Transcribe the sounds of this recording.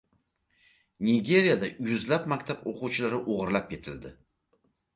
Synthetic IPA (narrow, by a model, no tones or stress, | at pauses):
nʲiɡʲe̞ɾijad̪ajʊzlap̚makʲt̪ʰaboqʊwt͡ʃʰɪlaɾɪʔoʁɨɾlap̚kʲe̞t̪ʰɪld̪ɪ